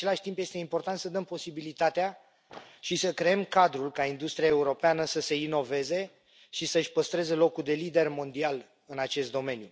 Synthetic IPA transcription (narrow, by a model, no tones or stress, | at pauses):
e̞laʃʲt̪impjest̪e̞impo̞rt̪ant̪səd̪əmpo̞sibilit̪at̪ea | ʃisəkɾe̞emkad̪ɾulkaind̪ust̪ɾiae̞uɾo̞peanəsəse̞ino̞ve̞ze̞ | ʃisəɨʃʲpəst̪ɾe̞ze̞lo̞kuld̪e̞lid̪e̞rmo̞nd̪ial | ɨnat͡ʃe̞st̪̚d̪o̞me̞nju